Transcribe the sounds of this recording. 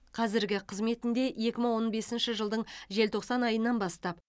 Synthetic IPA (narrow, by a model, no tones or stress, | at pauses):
qʰɑzɪɾɡʲɪqʰəzme̞t̪ɪnd̪e̞je̞kʲɪməŋwo̞nbe̞sɪnʃɪʒəlˠd̪əɴʒe̞lt̪ʰo̞qsɑnɑjənːɑnbɑst̪ɑp